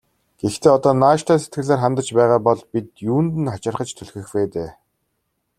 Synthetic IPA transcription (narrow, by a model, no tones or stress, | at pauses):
ɡ̥ext̪ʰeːɔt̪ɔːnaːʃt̪ʰæːset̪ɡɘ̆ɣɮaːrχant̪ə̆t͡ɕpæːʁaːpɔɮpit̪juːnt̪ɘ̆nχat͡ɕɪ̆rχə̆t͡ɕt̪ʰɵɮxɘ̆xpeːt̪eː